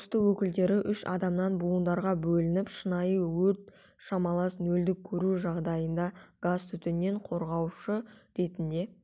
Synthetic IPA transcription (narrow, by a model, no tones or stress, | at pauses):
st̪əwɵkʲɪld̪e̞ɾɪʔʏʃɑ̰d̪ɑmnɑnbuənd̪ɑɾʁɑbɵlɪnɪpʃənɑjəwɵɾt̪̚ | ʃɑmɑlˠɑsnɵld̪ɪkʲʰːɵɾuʒɑʁd̪ɑjənd̪ɑɡ̥azt̪ʰʏt̪ɪnːe̞ɴqʰo̞ɾʁɑwʃəɾe̞t̪ɪnd̪e̞